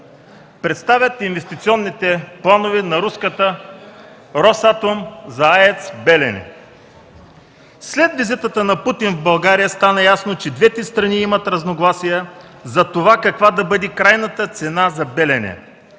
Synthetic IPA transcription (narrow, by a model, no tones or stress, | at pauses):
pɾɛt̪st̪avʲjət̪invɛst̪it̪siɔnːit̪ɛplˠanovɛnɐɾuskət̪ə | ɾɔsat̪omzɐaɛt̪sbɛlɛnɛ̰ | slɛd̪vizit̪ət̪ənɐput̪invbɐlˠɡaɾijəst̪anɐjasnot͡ʃɛd̪vɛt̪ɛst̪ɾɐniimɐt̪ɾɐznoɡlˠasijɛ | zɐt̪ovakɐkvad̪ɐbɤd̪ikɾajnət̪ət̪sɛnazɐbɛlɛnɛ̰